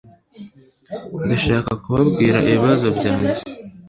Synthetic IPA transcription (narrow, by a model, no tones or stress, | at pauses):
ndaʃaːkakuβabɡiːɾaʔiβiβazo̞bɟaːɟi